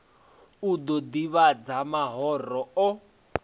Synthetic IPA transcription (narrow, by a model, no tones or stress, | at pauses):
ud̪ɔd̪iβad͡zamaɦɔrɔɔ